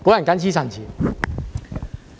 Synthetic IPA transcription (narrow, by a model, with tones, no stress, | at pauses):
ko˦ã˨n˨kã˦nt͡ɕʰi˦sã˨nt͡ɕʰi˨